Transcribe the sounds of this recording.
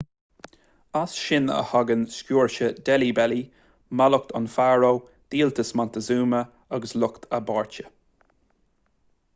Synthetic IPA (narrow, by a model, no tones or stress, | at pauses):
asʃɪnə̰haɡənskjuːɹʃəd̪ɛlibɛli | malʊk̚t̪ʰɔ̰nfaɹo | d̪̥iːlt̪əsmant̪əzuːmə | aɡəslʊkt̪ʰəbɑːɹt͡ʃə